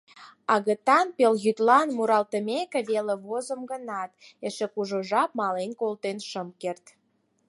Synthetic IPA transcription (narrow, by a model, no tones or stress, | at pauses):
ɑɣə̆t̪ɑnpelɣyt̪lɑnmuɾɑlt̪ə̆mekĕβelĕβozəmɡənɑt̪eʃĕkuʒoʒɑp̚mɑlenkolt̪enʃəmkert̪